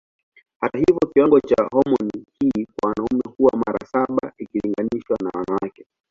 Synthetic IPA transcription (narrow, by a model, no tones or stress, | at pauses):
hatahivjɔkiwaŋɡɔt͡ʃahɔmɔnihikwawanaumɛhuwamaɾa̰saɓaikiliŋɡaniʃwanawanawakɛ